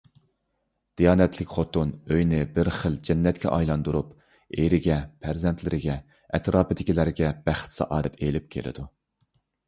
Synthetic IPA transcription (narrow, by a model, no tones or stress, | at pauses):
d̪̥ijɑːnɛt̪ʰlɪkʲχot̪unøjnɪbɪɾχəld͡ʒɛnːɛt̪̚kʲʰɛ̰ʔɑ̰jlˠɑnd̪uɾup | eɾɪɡʲɛpʰæɾzɛnt̪ʰlɪɾɪɡʲɛ | ɛt̪ɾɑːpɨd̪ɪkʲilæɾɡʲɛb̥æχt̪sɑ̰ʔɑːd̪ɛt̪ʰelɪp̚kʲʰḛlʔɪ̰d̪u